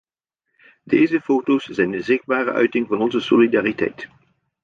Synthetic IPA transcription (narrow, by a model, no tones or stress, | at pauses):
dejzəfowtowsz̥ɛjndəzɪχd̚baːrə̰ʔœ̰ɥtɪŋvɑnɔnzəsolidaːritɛ̰jt